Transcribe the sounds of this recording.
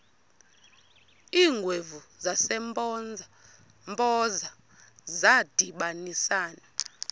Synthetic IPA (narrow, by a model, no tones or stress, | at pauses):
iːŋɡʱwevuzasɛmpʼɔnd͡zʱa | mpʼɔza | zad̥ʱiɓanisaːna